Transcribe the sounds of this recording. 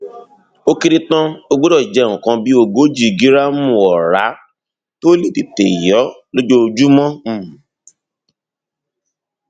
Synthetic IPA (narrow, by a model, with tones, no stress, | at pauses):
o˦ki˧ɾi˧tã˦o˧ɡ͡bo˦dɔ˦˨d͡ʒɛ˨˦˨ũ˨kã˧bi˦o˧ɡo˦d͡ʒi˦˨ɡi˨˦ɾa˦mũ˦˨ɔ˨ɾa˨˦ | to˦li˦˨ti˨te˨i˨jɔ˨˦lo˦d͡ʒo˦˧d͡ʒu˦mɔ̃˦˨